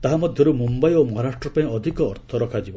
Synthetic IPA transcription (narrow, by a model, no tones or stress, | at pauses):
t̪aɦamɔd̪ʱjɔɾumumbajomɔɦaɾaʃʈɾɔpaĩɔd̪ʱikɔːɾt̪ʰɔɾɔkʰad͡ʒibɔ